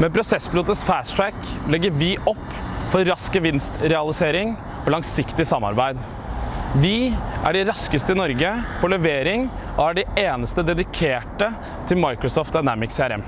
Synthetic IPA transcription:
mɛpʰɾʊsɛsbluːt̪əsfæːʂʈɾæklɛɡːəɾʋɪʔɔpːfɔɾɾɑskəʋɪnst̪ɾɛɑlɪseːɾɪŋ | ɔlɑŋsɪkt̪ɪsɑmːɑ̰ɾbæɪd̪ | ʋɪʔæ̰ɖɪɾɑskəst̪əɪnɔɾɡəpʰɔlɛʋeːɾɪŋ | ʔɔæɖɪeːnəst̪əd̪ɛd̪ɪkʰeːʈə | t̪ʰɪlmɑɪkɾʊsɔːft̪aɪnæmɪksɛæɾɛ̰m

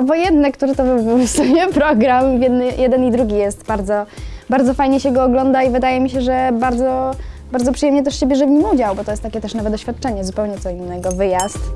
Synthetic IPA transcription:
vɔjɛnd̪ːɛkt̪uɾɘt̪ɔvɨupɔst̪ujɛpɾɔɡɾamvjɛd̪njɛd̪ɛnid̪ɾuɡʲijɛst̪baɾd̪zɔbaɾd̪zɔfajɲɛɕɛɡɔːɡlɔnd̪aivɘd̪ajɛmʲiɕɛʐɛbaɾd̪zɔ | baɾd̪zɔpʂɨjɛmɲɛt̪ɛʂɕɛbʲjɛʐɛvɲimud͡ʑawbɔt̪ɔjɛst̪ːakʲɛt̪ɛʂnɔvɛd̪d̪ɔɕfʲjat̪̚t͡ʂɛɲɛzupɛwɲɛt̪sɔinːɛɡɔvɘjast̪

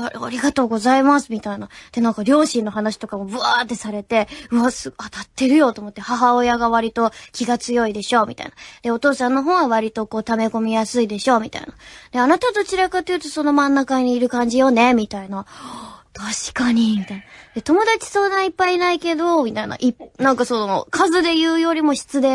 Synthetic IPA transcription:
aɾa̰ɾʲiɡat̪o̞ːɡo̞zaimasɨmʲit̪ainad̪̥e̞nãŋkaɾʲo̞ːɕĩnːo̞ɦanaɕi̥t̪o̞kamo̞bɯ̟at̪ːe̞saɾe̞t̪e̞ɯ̟asɨat̪at̪ːe̞ɾɯ̟jo̞t̪o̞ːmo̞t̪ːe̞haɦao̞jaɡaβaɾʲit̪o̞kʲiɡat͡sɨjo̞id̪e̞ɕo̞ːmʲḭt̪a̰ḭnad̪̥e̞o̞t̪o̞ːsãnːoɦõ̞ɰ̃βaβ̞aɾʲit̪o̞ko̞ːt̪ame̞ko̞mʲijasɨid̪e̞ɕo̞ːmʲit̪a̰ḭnad̪̥e̞anat̪at̪o̞t͡ɕiɾakat̪ːejɯ̟t̪o̞so̞no̞mãnːakaɲ̟iːɾɯ̟kãɲ̟d͡ʑijo̞ne̞mʲit̪ainat̪ʰaɕi̥kaɲ̟imʲit̪ainad̪̥e̞t̪o̞mo̞d̪at͡ɕi̥so̞ːnãipːainaike̞d̪o̞mʲit̪aina̰ʔipnãŋkaso̞no̞kʰazɨd̪e̞jɯ̟ːjo̞ɾʲimo̞ɕi̥t͡sɨd̪e̞

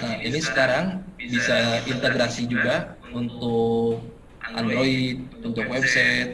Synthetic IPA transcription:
əinisə̥kaɾaŋbisaint̪eɡɾasid͡ʒuɡa | unt̪ʊk̚ | andɾoit̪̚unt̪ʊkwɛb̚sɛt̪̚

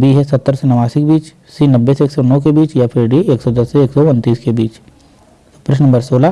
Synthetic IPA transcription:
biɦɛsɐt̪ːəɾsenɐʋaːsɪkbiːt͡ʃ | sinɐbːeseeːksɔnɔːkebiːt͡ʃjapʰɪɾɖieːksɔd̪ɐsːeeːksɔʊnt̪iːskebiːt͡ʃ | ʊpɾɪʃnɐmbəɾsoːla

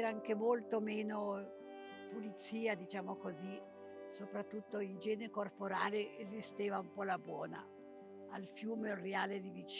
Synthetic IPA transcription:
ɾaaŋkemolt̪omeːno | pulit̪siːad̪it͡ʃaːmokozi | sopɾat̪ːut̪ːoind͡ʒɛːneɾekorpoɾaːleʔezist̪eːvaumpɔlabwɔːna̰ | alfjuːmereaːled̪ivit͡ʃ

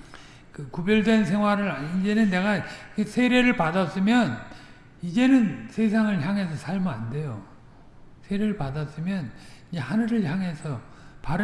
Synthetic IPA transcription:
kɯkubjʌɭdwens̬ʰe̞ŋɦwaɾɯɾaid͡ʑe̞nɯnːe̞ɣakɯsʰe̞ɾeɾɯɭpadas͈ɯmjʌn | id͡ʑe̞nɯnsʰe̞sʰaŋɯɭçjaŋɦe̞sʰʌsʰaɭmɯande̞jo | sʰe̞ɾe̞ɾɯɭpadas͈ɯmjʌnid͡ʑehanɯɾɯɭçjaŋɦe̞sʰʌpaɾɯ

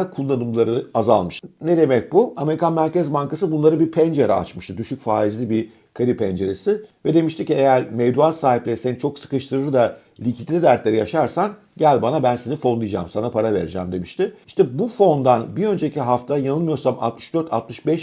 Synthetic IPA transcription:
kʰulˠːanɯmlˠaɾɯaza̰lˠmɯʃt̪ned̪e̞mɛc̚buame̞ɾikʰanmæɾcezbaŋkasɯbunlˠaɾɯbiɾpʰɛnd͡ʒeɾɛa̰t͡ʃmɯʃt̪ɯd̪yʃycfaːizlʲibiɾ | kʰaɾipʰɛnd͡ʒe̞ɾesɪvɛd̪e̞miʃt̪ʰicːiejæɾmevd̪uat̪saːɦiplʲeɾisenit͡ʃʰo̞ksɯ̥kɯʃt̪ʰɯɾɯɾɯd̪a | lʲicʰit̪ʲlʲid̪æɾt̪lʲe̞ɾijaʃaɾsan | ɟælʲbanabænsenifo̞nlˠɯjd͡ʒa̰msanapʰaɾaveɾd͡ʒæmd̪e̞miʃt̪ɪiʃt̪ʰɛbufo̞nd̪anbiø̞nd͡ʒeicʰiɦaft̪ʰajanɯlˠmɯjo̞ɾsama̰t̪mɯʃd̪ø̞ɾt̪ʰa̰t̪mɯʃbɛʃ

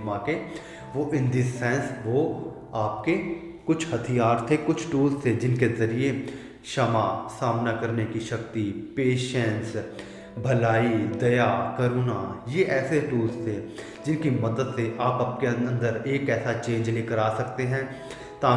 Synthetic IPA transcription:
mãke | ʋoʔɪ̃nd̪isɛ̃ːnsʋo | aːpke | kʊt͡ʃʰhɐt̪ʰijaːɾt̪ʰekʊt͡ʃʰʈuːlst̪ʰed͡ʒɪnkezɐɾie | ʃɐmasaːmnakɐɾnekiʃɐkt̪ipeːʃɛ̃ns | bʱɐlaːid̪ɐjakɐɾuːnajeʔɛːseʈuːlzt̪ʰe | d͡ʒɪnkimɐd̪əd̪seʔaːpaːp̚keɐ̃ə̃nd̪əɾeːkɛːsat͡ʃẽːɲd͡ʒleːkəɾaːsɐkt̪eɦɛ̃ː | t̪aː

